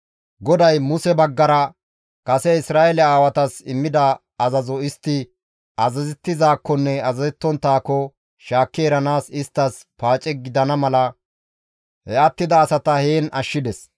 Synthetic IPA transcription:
ɡɔd̪ɐjmʊsɛbɐɡːɐɾɐ | kɐsɛɪsɾaːɛlɛaːwɐt̪ɐsɪmːɪd̪ɐ | ɐzɐzɔɪst̪ːɪ | ɐzɐzɛt̪ːɪzaːkːɔnːɛɐzɐzɛt̪ːɔnt̪ːaːkːɔ | ʃaːkːeːɾɐnaːsɪst̪ːɐs | paːt͡ʃʼɛɡɪd̪ɐnɐmɐlɐ | hɛʔɐt̪ːɪd̪ɐːsɐt̪ɐheːnɐʃːɪd̪ɛs

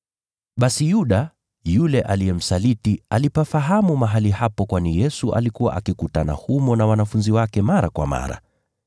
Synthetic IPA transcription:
ɓasijuɗa | julɛʔaliɛm̩salitialipafaɦamumaɦalihapɔkwanijɛsuʔa̰likuwa̰ʔakikutana̰humɔnawanafunziwakɛmaɾakwa̰ma̰ɾa̰

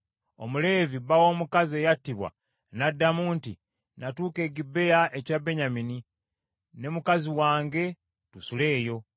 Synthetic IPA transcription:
omule̞ːvibawo̞ːmukaze̞jatːiβwa̰ | nadːamuːntḭ | natuːke̞ːɟibːe̞jaʔe̞cabe̞ɲamini | ne̞mukaziwaːŋɡe̞ | tusule̞ːjo̞

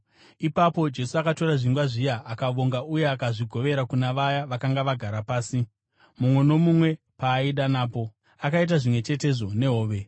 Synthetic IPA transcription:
ipapo̞d͡ʒe̞suakato̞ɾaʐiŋɡwaʐijaːkaʋo̞ŋɡauje̞akaʐiɡʱo̞ʋe̞ɾakunaʋajaʋakaŋɡaʋaɡʱaɾapaːsi | mumwe̞no̞mumwe̞ | paːiɗanaːpo̞ | akait̬aʐimwe̞t͡ʃe̞te̞ʐo̞ne̞ɦoːʋe̞

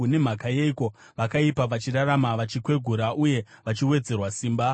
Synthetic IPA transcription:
une̞m̤akajeiko̞ | ʋakaipaʋat͡ʃiraɾamaʋat͡ʃikwe̞ɡʱuɾaʔuje̞ʋat͡ʃiwe̞d͡ze̞rwasiːmba

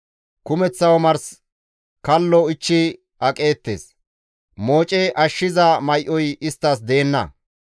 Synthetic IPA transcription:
kʊmɛt͡sːɐwɔmɐɾs | kɐlːɔɪt͡ʃːɪ | ɐkʼe̞ːt̪ːḛːs | moːt͡ʃʼɛʔɐʃːɪzɐmɐjʔɔjɪst̪ːɐs̬d̪e̞ːnːɐ̰

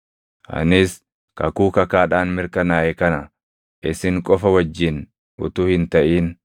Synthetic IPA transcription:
ʔɐ̰nɪs | kɐ̰kuːkɐkaːᶑaːnmɪɾkɐnaːʔɛkɐnɐ | ʔɪsɪŋkʼɔfɐwɐd͡ʒːɪn | ʔʊ̰t̪uːhɪnt̪ɐʔiːn

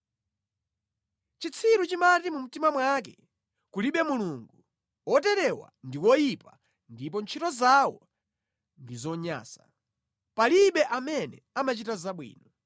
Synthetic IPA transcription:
t͡ʃit͡sʰiɾut͡ʃimatimum̩timamwak̬ɛ | kuliɓɛmuluŋɡu | wɔtɛɾɛwa̰ndiwɔjipa | ndip̬ɔnt͡ʃʰitɔzawɔ | ndizɔɲa̰ːsa | paliɓɛʔamɛnɛ | amat͡ʃitazaɓwḭːnɔ

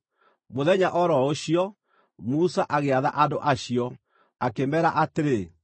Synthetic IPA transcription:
moðɛɲaʔɔɾɔoɕijɔ | musaʔaɣeaða̰ʔandoʔaɕiɔ | akemɛɾaʔateɾe

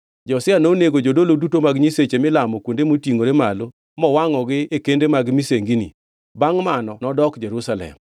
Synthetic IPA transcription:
d͡ʒɔsɪanoneɡod͡ʒodolodutomaɡɲiset͡ʃemɪlamɔkwondemotiŋoɾemalo | mɔwaŋɔɡɪekendemaɡmiseŋɡinḭ | baŋmanɔnɔdɔkd͡ʒeɾusalɛ̰m

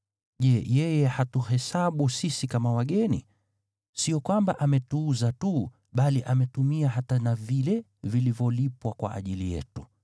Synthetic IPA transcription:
ʄɛjɛjɛhatuhɛsaɓusisikamawaɠɛnḭ | siɔkwambaʔamɛtuːzatu | ɓaliʔamɛtumiaɦatanavilɛ | vilivjɔlipwakwa̰ʔa̰ʄilijɛ̰tu

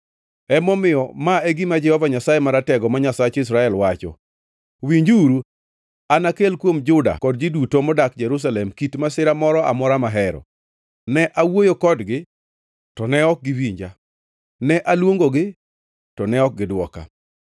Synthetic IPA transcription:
ɛmɔmɪjɔmaɛɡimad͡ʒɛhɔvaɲasajɛmaɾatɛɡɔmaɲasat͡ʃɪs̬ɾaɛlwat͡ʃɔ̰ | wiɲd͡ʒuɾu | anakelkwomd͡ʒʊda̰kɔd̚d͡ʒidutomɔdakd͡ʒɛɾus̬alɛmkitmasɪɾamɔɾɔa̰mɔɾamaɦɛɾɔ̰ | nɛʔawojokɔdɡɪ | tɔnɛɔk̚ɡɪwiɲd͡ʒa | nɛʔalwoŋɡoɡɪ | tɔnɛɔk̚ɡɪdwɔka̰

